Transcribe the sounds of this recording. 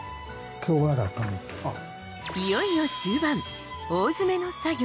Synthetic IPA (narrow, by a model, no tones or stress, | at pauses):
kʲoːwaɾat̪ami | ijoinoɕɨːbãŋ | oːzɨme̞no̞saɡʲ